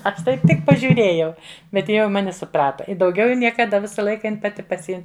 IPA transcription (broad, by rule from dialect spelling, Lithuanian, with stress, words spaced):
ˈɐʃ ˈtɐɪp ˈtʲɪk pɐʒʲʊˈrʲeːjɛʊ bʲɛt ˈjɪ jɛʊ ɪ ˈmɑːnʲɪ sʊˈprɑːtɐ ɪ dɐʊˈɡʲɛʊ jɛʊ nʲiɛkɐˈdɐ ˈʋʲɪsɐ ˈlˠɐɪkɐ ˈjɪn pɐˈtʲɪ pɐˈsʲɪɪm